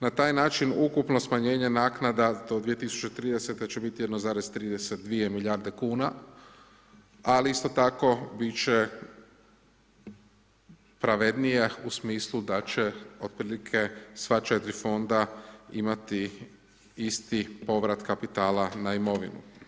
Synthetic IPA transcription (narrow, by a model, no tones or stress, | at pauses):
nat̪aːjnaːt͡ʃinukupno̞smaɲe̞ːɲe̞naːknad̪ad̪o̞d̪ʋije̞t̪isu̥t͡ʃe̞t̪ɾiːd̪ese̞t̪e̞t͡ɕe̞bit̪ijed̪nozaːɾez̥t̪ɾiːd̪eset̪̚d̪ʋije̞miʎaːɾd̪e̞kuːna | aliist̪o̞t̪ako̞bit͡ʃe | pɾaʋed̪nijeusmiːslˠud̪at͡ʃe̞o̞d̪̥̚pɾiːlikʰe̞sʋat͡ʃet̪ɾifo̞nd̪aimat̪i | ist̪ipo̞ʋɾat̪kapit̪aːlanaimo̞ʋḭnṵ